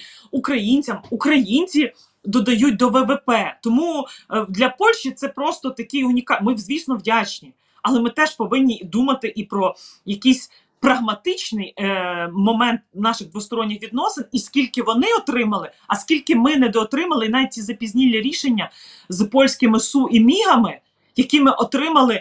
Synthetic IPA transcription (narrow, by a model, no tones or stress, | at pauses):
ukɾɐjinʲt͡sʲɐmukɾɐjinʲt͡sʲi | d̪ɔd̪ɐjut̚ʲd̪ɔʋɛʋepɛt̪ɔmud̪lʲɐpɔlʲʃt͡ʃit̪sɛpɾɔst̪ɔt̪ɐkɪjʊnʲikɑmɪwzʲʋʲisnɔwdʲat͡ʃnʲi | ɐlˠɛmɪt̪ɛʃpɔʋɪnʲːid̪umɐt̪ɪʔipɾɔjɐkʲisʲ | pɾɐɦmɐt̪ɪt͡ʃnɪj | mɔmɛnt̪̚nɑʃɪɣd̪ʋʊst̪ɔɾɔnʲːɪxʋʲid̪nɔsɪniskʲilʲkɪʋɔnɪɔt̪ɾɪmɐlˠɪ | ɐskʲilʲkɪmɪnɛd̪ɔːt̪ɾɪmɐlˠɪinɑʋʲit̚ʲt͡sʲizɐpʲizʲnʲilʲːiɾʲiʃenʲːɐ | zpɔlʲsʲkɪmɪsuʔimʲiɦɐmɪ | jɐkʲimɪʔɔt̪ɾɪmɐlˠɪ